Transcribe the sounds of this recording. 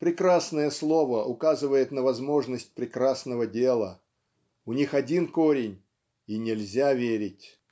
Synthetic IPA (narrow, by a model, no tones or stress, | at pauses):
pɾʲɪkɾasnəjəslˠo̞vəʔʊkazɨvəjɪt̪nəvɐzmo̞ʐnəsʲt̚ʲpɾʲɪkɾasnəvədʲelˠə | ʊnʲixɐdʲinko̞ɾʲɪnʲ | inʲɪlʲzʲavʲeɾʲɪtʲ